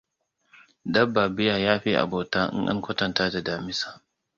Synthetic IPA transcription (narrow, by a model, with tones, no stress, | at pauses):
dɐ˦bːaː˨bɪ˦jaː˨jaː˦ɸi˦ʔa̰˨boː˨taː˦ʔɪ̰˦ŋʔɐ̰˦ŋkʷɐ˦tɐ˨ntaː˦da˨daː˨mɪ˦sḁː˨